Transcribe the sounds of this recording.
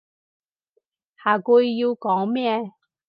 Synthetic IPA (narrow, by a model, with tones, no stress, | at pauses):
haː˨˩ku˧jːi˧wkɔː˨˥ŋmɛː˥